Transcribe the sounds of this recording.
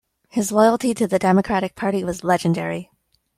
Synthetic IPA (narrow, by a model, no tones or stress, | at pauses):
hɨzlɔɪl̩ˠtiɾɨðɨdɛmɨkʰɹ̥æɾɨk̚pʰɑɹɾiwʌzlɛd͡ʒɨ̃ndɛ̰ɹi